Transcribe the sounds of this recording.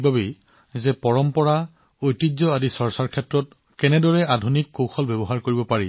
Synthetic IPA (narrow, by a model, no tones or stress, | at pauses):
bʱabe | zɛpɔɹɔmpɔɹa | ojtizɔadisɔɹsaɹkʰɛtɹɔt̚ | kɛnɛdɔɹɛʔadʱunikːowxʰɔlbɛbɔɦaɹkoɹibɔpaɹḭ